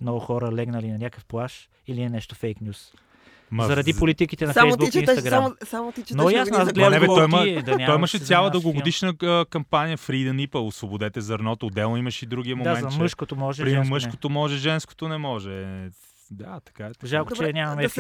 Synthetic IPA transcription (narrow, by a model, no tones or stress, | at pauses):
mnɔɡʊxɔɾəlɛɡnɐlinɐnʲakəfplˠaʃ | iliɛnɛʃt̪ofejknʲjus | mzɐɾɐd̪ipolit̪ikit̪ɛnɐfɛjzb̪ukint̪ɐɡɾamsamot̪it͡ʃnojasnazɡlɛɛbɛt̪ɔimɛt̪ɐnʲaɔiimɐʃɛt̪sjalˠəd̪əlˠɡoɡod̪iʃnəkɐmpanijəfɾid̪ɐnipəosvobod̪ɛt̪ɛzɐɾnɔt̪ood̪ɛlˠnoimɐʃid̪ɾuɡʲiɐmod̪aɛzɐməʃkot̪omɔʒɛɾiməʃkot̪omɔʒɛʒɛnsko̥t̪onɛmɔʒɛ | d̪at̪ɐ̥kaɛʒalˠkot͡ʃɛnʲamɐmɛ